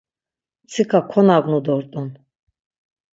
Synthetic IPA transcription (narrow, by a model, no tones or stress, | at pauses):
t͡sʰikʰakʰɔnaɡʷnud̪ɔɾt̪ʼɔn